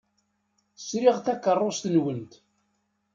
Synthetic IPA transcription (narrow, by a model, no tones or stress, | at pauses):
θsɾiʁθækːərˤːost̪ənwənt̪